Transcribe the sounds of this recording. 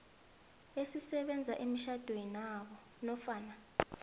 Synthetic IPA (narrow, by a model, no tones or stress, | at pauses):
esisɛɓɛnd͡zʱaʔimiʃad̥ʱweinaɓɔ | nɔfaːna